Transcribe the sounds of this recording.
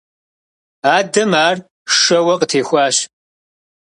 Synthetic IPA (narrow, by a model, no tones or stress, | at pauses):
aːdɐmaːr | ʂɐwɐqʼətʰeːxʷaːɕ